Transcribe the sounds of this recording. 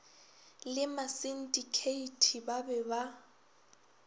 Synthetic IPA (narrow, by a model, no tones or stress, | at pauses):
lɪmasin̩dʼikʰeitʰibabɛba